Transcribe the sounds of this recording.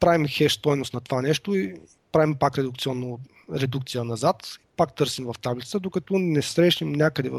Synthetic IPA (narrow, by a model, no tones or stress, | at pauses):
pɾavimxɛʃt̪ɔjnʊst̪nɐt̪ovanɛʃt̪oi | pɾavimpakɾɛd̪ʊkt̪siɔnːo | ɾɛd̪ukt̪sijənɐzat̪i̥pak̚t̪ɤɾsimvɐft̪ablʲit̪əd̪okɐt̪ɔnɛsɾɛʃnimnʲakəd̪ɛv